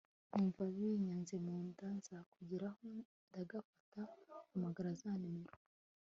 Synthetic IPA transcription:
iɱvaβiɲanzemuːndanzakuɟiɾaho | ndaɡafatakumaɡaɾazanimiɾu

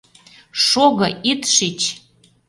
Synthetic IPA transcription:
ʃoɣɤ̆it̪ʃit͡ɕ

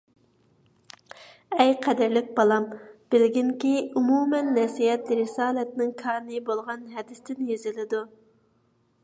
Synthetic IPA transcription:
ɛjqʰɛd̪ɪɾlɪk̚ʲbɑlˠɑmb̥ɪlɡʲiŋkʲiumumɛnːɛsijɛt̪lɾɪsɑːlɛt̪nɪŋkʰɑːnɨbolˠʁɑnɦɛd̪ɪst̪ʰɪnjezɪlɪd̪u

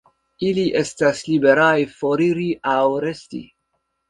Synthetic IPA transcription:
iliʔe̞staslibe̞ɾajfo̞ɾiɾiʔawɾe̞stḭ

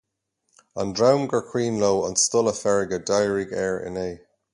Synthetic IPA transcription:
ə̃ndɹawmɡəɹkʰɹ̥w̥ĩːnloːə̃nstʊləfɛɹɪɡədajəɹiɡɛːɹɪ̰neː

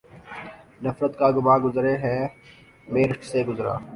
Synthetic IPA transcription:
nɐfɾət̪kaːɡʊmãːɡʊzɾeɦɛ̃ː | meːɾɪʈseɡʊzɾa̰ː

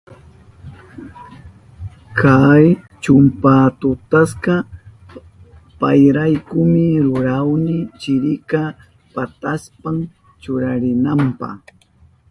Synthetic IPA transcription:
kaj | t͡ʃʊmpat̪ʊt̪asqɑ | pajɾajkʊmɪɾʊɾawnɪt͡ʃɪɾɪka | pat̪aspam | t͡ʃʊɾaɾɪnampɑ̰χ

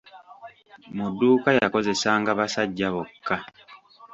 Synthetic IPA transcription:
mudːuːkajako̞ze̞saːŋɡaβasaɟːaβokːa

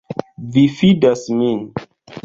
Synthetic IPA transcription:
vifidasmin

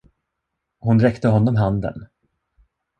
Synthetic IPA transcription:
hʊnɾɛkt̪əɦɔnːɔmɦand̪ə̰n

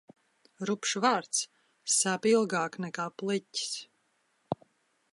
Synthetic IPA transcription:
ɾupʃvaːɾt̪sː | aːpilˠɡaːknɛkaːplˠici̥s

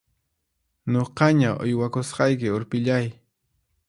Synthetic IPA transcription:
ɲoqɑɲaʔʊ̰jwakosqɑjkɪoɾpɪʎaj

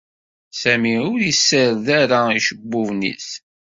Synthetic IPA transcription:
sæmiʊɾjəsːəɾðaɾaiʃəbːʊvnḭs

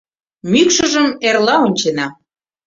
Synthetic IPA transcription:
mykʃə̆ʒəmerlɑonʲt͡ɕenɑ

